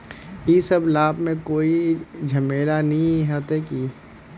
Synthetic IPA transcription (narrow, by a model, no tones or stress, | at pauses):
iːsɐblaːbmẽkoːid͡ʒʱɐmeːlanɐĩɦɛt̪eki